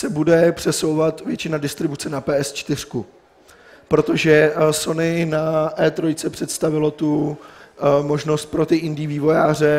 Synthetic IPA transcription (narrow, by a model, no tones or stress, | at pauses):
sɛbudɛpr̝̥ɛso̞wvat̪vjɛt͡ʃɪnadɪst̪ɾɪbut͡sɛnapɛːʔɛst͡ʃt̪ɪr̝̥ku | pɾo̞t̪o̞ʒɛso̞nɪnaʔɛːt̪ɾo̞jt͡sɛpr̥ɛt̪st̪avɪlo̞t̪u | mo̞ʒno̞st̪̚pɾo̞t̪ɪʔɪndiːviːvo̞jaːr̝ɛ